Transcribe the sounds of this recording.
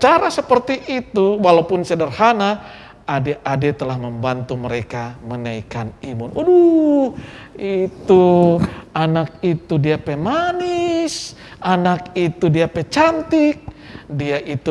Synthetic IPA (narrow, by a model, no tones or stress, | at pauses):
t͡ʃaɾasəpərt̪iʔːt̪uwalaupʊnsədərhanaː | deʔadet̪əlahməmbant̪uməɾekamənaikanimʊnudu | it̪u | anak̚it̪udiapemanɪs | anakit̪udiapɛt͡ʃant̪ɪk̚diaʔit̪u